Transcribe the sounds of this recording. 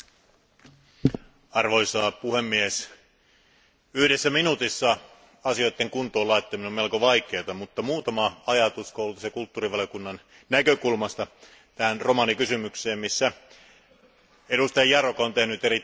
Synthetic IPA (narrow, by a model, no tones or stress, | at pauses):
ɑrʋo̞isɑːpuhemːies | yhdesːæminut̪isːɑ | ɑsiojt̪ːeŋkunt̪oːlɑit̪ːɑminumelkoʋɑik̟e̞ːt̪ɑmut̪ːɑmuːt̪ɑmɑɑjɑt̪uskoulut̪ɑsekult̪ːuːriʋɑljokunːɑn | nækøkulmɑst̪ɑ | t̪æhænro̞mɑnikysymykseːmmisːæ | eɾust̪ɑjɑjɑrokɑont̪e̞hnyt̪eɾi